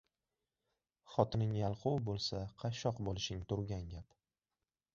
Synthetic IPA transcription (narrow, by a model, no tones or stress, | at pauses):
χɒt̪ʰɪnɪŋjalˠqʰuwbolˠsaqʰɑʃɒqbolɪʃɪŋt̪ʊɾɡʲaŋɡʲap